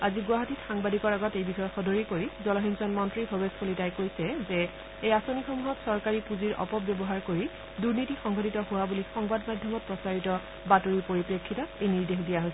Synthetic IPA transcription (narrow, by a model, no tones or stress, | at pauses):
aziɡwaɦatitxaŋbadikɔɹaɡɔtejbixɔjɔtxɔdʱɔɹikoɹizɔlɔɦinsɔnmɔntɹibʱɔbeskolitajkojsɛzɛ | ejasonixomuɦɔtsɔɹkaɹipuziɹʔɔ̰pɔpbjɔbɔɦaɹkoɹi | duɹnitixɔŋɡɔtitɔɦʊwabulixɔŋbadmadʱjɔmɔt̚pɹɔsaɹitɔ | batoɹipoɹipɹekʰːitɔejniɹdexdijaɦojsɛ